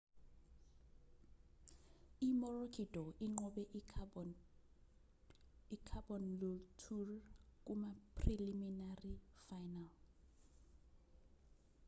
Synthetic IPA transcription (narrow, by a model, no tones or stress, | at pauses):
imɔrokʰidʱʼɔʔiŋ͡ǃɔɓɛʔ | ikʰabɔnlutʰurk̬ʼumapʰriliminarifajnal